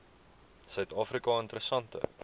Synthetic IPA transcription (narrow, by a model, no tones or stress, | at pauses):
sœɥtɑːfɾikɑənt̪əɾəsɐntə̰